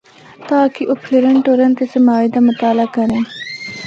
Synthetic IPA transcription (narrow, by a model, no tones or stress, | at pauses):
t̪aːkiʔʊpʰɾiɾənʈoːɾənt̪esemaːɪd̪amʊt̪aːlakɐɾẽː